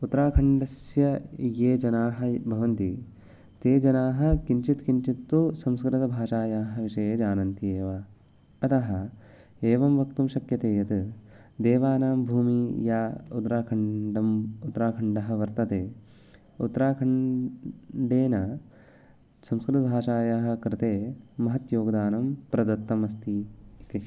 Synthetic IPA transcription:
ut̪ːɾaːkʰɐɳɖɐsjɐjeːd͡ʒɐnaːɦɐ̆bʱɐʋɐnt̪i | t̪eːd͡ʒɐnaːɦɐ̆kiɲt͡ʃit̪kiɲt͡ʃit̪ːusɐmskɾɪt̪ɐbʱaːʃaːjaːɦɐʋiʃɐjed͡ʒaːnɐnt̪ieːʋaː | ɐt̪ɐɦɐ̆ | eːʋɐmʋɐkt̪umʃɐkjɐt̪eːjɐt̪ | d̪eːʋaːnaːmbʱuːmijaːud̪ɾaːkʰɐɳɖɐmut̪ːɾaːkʰɐɳɖɐɦɐ̆ʋɐɾt̪ɐt̪eː | ut̪ːɾaːkʰɐɳ | ɖeːnɐ | sɐmskɾɪt̪ɐbʱaːʃaːjaːɦɐ̆kɾɪt̪eːmɐɦɐt̪joːɡɐd̪aːnɐmpɾɐd̪ɐt̪ːɐmɐst̪iit̪i

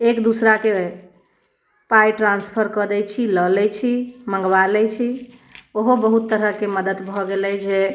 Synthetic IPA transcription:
ekd̪usɾake | pajʈɾãnspʰəɾkəd̪ɛt͡ʃʰiləlɛt͡ʃʰimə̃ŋɡwalɛt͡ʃʰioɦobəɦut̪ːəɾəkeməd̪əd̪bʱɔɡelɛd͡ʒe

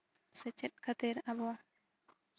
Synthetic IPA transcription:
sɛt͡ʃɛt̪̚kʰat̪iɾabɔ

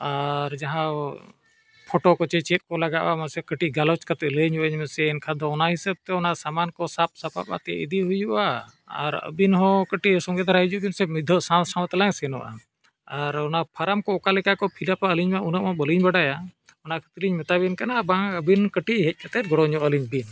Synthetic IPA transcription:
aɾd͡ʒaɦã | pʰɔʈɔkɔt͡ʃɛt͡ʃɛt̪̚kɔlaɡaʔamasɛkəʈiɡalɔt͡ʃkat̪ɛləɲɔʔəɲmɛsɛnkʰad̪ɔɔnaɦisab̚t̪ɛɔnaʔsamankɔsap̚sapa̰pa̰t̪ɛ̰ʔḭd̪iɦujuʔa | a̰ɾə̰binɦɔ̃kəʈiʔsɔŋɡɛd̪aɾaɦid͡ʒubinsɛmid̪ʱɔsawsamt̪alaɲsɛnɔ̰ʔa̰ | aɾɔnapʰaɾamkɔɔkalɛkakɔpʰilapaəliɲmaʔunəʔmɔ̃bəliɲbaɖaja | ɔnaʔkʰə̥t̪iliɲmɛt̪abɛnkanabaəbinkəʈiɦɛc̚kʰat̪ɛt̪̚ɡɔɽɔɲɔʔəliɲbin

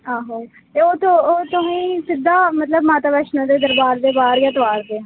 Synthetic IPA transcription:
aːɦoː | t̪eoːt̪ooːt̪ʊɦĩːsɪd̪aːmət̪ləbmaːt̪aːbɛːʃnõːd̪eːd̪əɾbaːɾd̪eːbaːɾjaːt̪ʋaːɾd̪eː

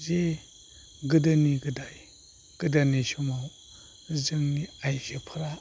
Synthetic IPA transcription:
ze | ɡɨdaniɡɯdaj | ɡ̥ɨdaniʃumaw | zɯŋniajzepʰɯɾa

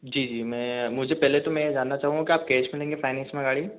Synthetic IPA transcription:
d͡ʒiːd͡ʒiːmɛ̃mʊd͡ʒʱepɛɦlet̪omɛ̃jed͡ʒaːnːat͡ʃaːɦũŋɡakiaːp̚keːt͡ʃmɪlẽːŋɡefʰaːɪnɛsmẽɡaːɭi

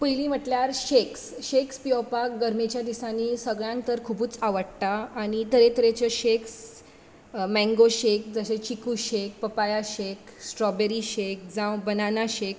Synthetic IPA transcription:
pəjlĩm̤əʈljaɾɕeksɕekspijɔpakɡəɾmet͡ɕjad̪isãnisəɡɭjãŋkt̪əɾkʰubuːt͡saʋəɽt̪aːɽ̃it̪əɾet̪əɾet͡ɕəɕeks | mɛ̃ŋɡoɕek̚d͡zəɕet͡ɕikuɕek̚pəpajaɕeksʈɾɔbeɾiɕek̚d͡zãwbənanaɕek

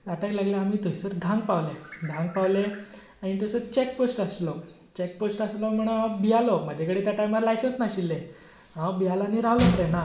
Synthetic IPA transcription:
t̪aʈaklaɡljaam̤iːt̪əjsəɾd̪ʱãŋɡ̚paʋled̪ʱãŋɡpaʋle | aɽ̃it̪əsət͡ɕekposʈaslɔ | t͡ɕek̚posʈaslɔm̤əɽ̃abijalɔməd͡ʑ̪ʱekəɽet̪jaʈajmaɾlajsənsnaɕilːe | abijalaniɾaʋlɔpəɾena

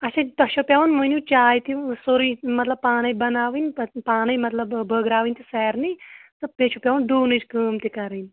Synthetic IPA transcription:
ɐt͡ʃʰãd̪ɐʃopʲjaʋunmɐnũt͡ʃaːjt̪isoɾimɐt̪lɐb̚pːaːnɐibɐnaːʋinppaːnɐjmɐt̪lɐbbʱəɡɾaːʋinʲt̪isɛːɾnit̪ɨpeːt͡ʃʰopʲjaʋund̪uːnɨt͡ʃkəːmt̪ikɐɾɨn

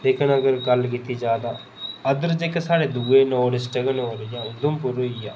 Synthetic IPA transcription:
d̪eːkʰənəɡəɾɡəlk̬it̪iːd͡ʒjaːd̪aː | əd̪əɾd͡ʒeːkesaːɽeːd̪uːeːnoːɽɪsʈəɡənoːɾjãːʊd̪ʊmpʊɾoiaː

